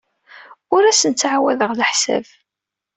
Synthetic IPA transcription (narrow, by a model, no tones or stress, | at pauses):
ʊɾæsənt͡sːʕawæðəʁləħsæ̰v